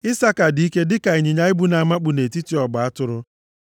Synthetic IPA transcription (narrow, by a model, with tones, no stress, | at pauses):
ɪ˦sa˦ka˨di˨i˦ke˦dɪ˦ka˨i˨ɲɪ˨ɲa˦ɪ˦bu˦na˨ma˦k͡pu˨ne˨ti˦ti˨ɔ˨ɡ͡ba˨a˦tʊ˦ɾʊ˦